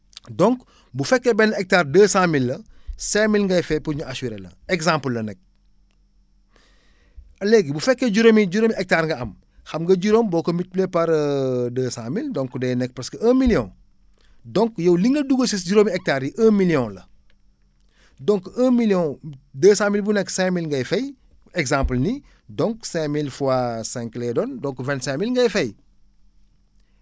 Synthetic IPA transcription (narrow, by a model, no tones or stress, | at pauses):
dɔŋk | bufɛkːɛbɛnːɛk̚taːrdəːsaːmilːɐsɛmilŋɡɐjfɛpuɲuɐʃiɾelɐ̰ɛɡsãmpəlːɐnɛk̚ | ɐlɛɡibufɛkːeɟuɾomiɟuɾomiɛk̚taːɾŋɡɐɐm | xɐmŋɡɐɟuɾombɔːkomit̚blɛpɐɾdəːsaːmildɔŋkudɛːjnɛk̚pɾɐskəɐːmilijɔ̃n | dɔŋkjɐwliŋːɐduɡosisɟuɾomiɛk̚taːɾjiʔəːmilijɔ̃lɐ | dɔŋkəːmilijɔ̃dəːsaːmilbunɛkːsɛ̃milŋɡɐjfɛj | ɛɡsãmplni | dɔŋksɛ̃milfuwasɛ̃ŋklɛdɔndɔŋkvɛ̃ntsɛ̃milŋɡɐjfɛj